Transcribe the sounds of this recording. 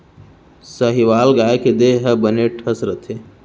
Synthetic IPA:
səɦiʋaːlɡaːjked̪eɦəbəneʈʰəsɾət̪ʰe

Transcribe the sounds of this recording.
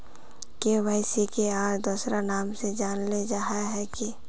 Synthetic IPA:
keʋaːɪsikeaːɾd̪uːsɾanaːmsed͡ʒaːnled͡ʒaːɦaɦɛki

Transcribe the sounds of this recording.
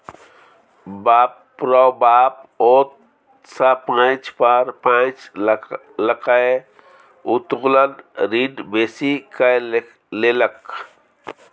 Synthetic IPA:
bapː | ɾɔbaːpot̪ | sapãt͡ʃpəɾpãt͡ʃ | ləkae | ut̪ɣlənɾiɖbesikə | lelək

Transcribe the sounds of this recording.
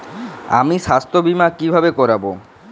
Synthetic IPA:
a̰miʃast̪ʰobimakibʱabekɔɾabo

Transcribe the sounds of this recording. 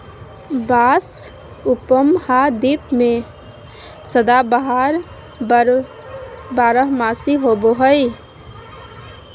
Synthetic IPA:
bas | upəmhad̪ipme | səd̪abəɦaɾ | baɾəɦmasiɦoboɦəj

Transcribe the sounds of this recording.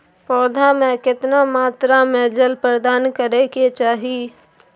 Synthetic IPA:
pɔːd̪ʱamẽkɪt̪namaːt̪ɾamed͡ʒəlpɾəd̪aːnkəɾeket͡ʃaːɦiː

